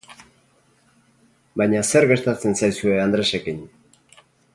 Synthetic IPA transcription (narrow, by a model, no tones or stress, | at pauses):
bajɲase̞ɾɣe̞ɾt̪at͡se̞nsajsue̞and̪ɾe̞se̞kiɲ